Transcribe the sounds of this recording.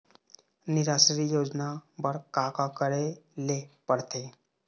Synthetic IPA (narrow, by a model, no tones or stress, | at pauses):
nɪɾaːsɾijoːd͡ʒnabəɾkaːkakəɾelepəɽt̪eː